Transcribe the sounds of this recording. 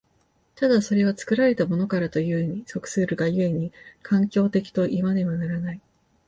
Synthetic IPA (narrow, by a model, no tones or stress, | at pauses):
t̪ad̪aso̞ɾe̞βat͡sɨ̥kɯ̟ɾaɾe̞t̪amo̞no̞kaɾat̪o̞jɯ̟eɲ̟iso̞kɯ̟̥sɨːɾɯ̟ɡajɯ̟e̞ɲ̟ikʰãŋkʲo̞ːt̪e̞kʲi̥t̪o̞ʔimad̪e̞βanaɾanai